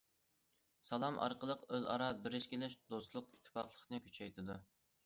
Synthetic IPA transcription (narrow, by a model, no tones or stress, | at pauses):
sɑlˠɑmʔɑ̰ɾqəlˠəqøzɑ̰ɾɑbɪɾɪʃkʲelɪʃd̪ost̪lˠʊqit̪ʰːɪ̥pɑχlˠəχnɨkʲʰy̥t͡ʃʰɛjt̪ʰɪd̪u